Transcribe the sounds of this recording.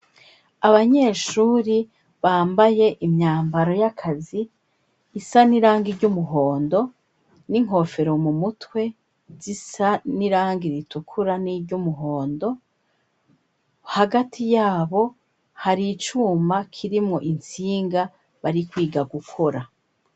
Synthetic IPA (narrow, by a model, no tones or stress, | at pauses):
aβaɲe̞ːʃuːɾi | βaːmbaje̞ʔimɲaːmbaɾo̞jakʰaziː | saniɾaːŋɡiɾɟumuɦo̞ːndo̞ | niŋ̥o̞fe̞ɾo̞mumutwe̞ | zisaniɾaːŋɡiɾitukʰuɾaniɾɟumuɦo̞ːndo̞ | haɡatʰijaːβo̞ | haɾiːt͡ʃuːmakʰiɾimŋo̞ʔint͡siːŋɡa | βaɾikwiːɡaɡukʰo̞ɾa